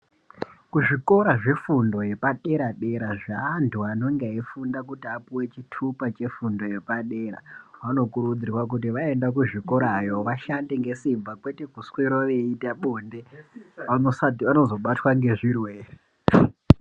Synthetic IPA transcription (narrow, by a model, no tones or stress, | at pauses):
kuʐiko̞ɾaʐefundo̞je̞paɗe̞ɾaɗe̞ɾaʐaːntʰuano̞ŋɡeifundakutiapuwe̞t͡ʃitʰupat͡ʃe̞fundo̞je̞paɗe̞ːɾa̰ʋano̞kuɾud͡zirwak̬ut̬iʋae̞ndakuʐiko̞ɾajo̞ʋaʃandeŋɡe̞simbakwe̞te̞kusweɾoʋe̞itaɓoːndeanosatiʋano̞zo̞ɓatwaŋɡe̞ʐirwer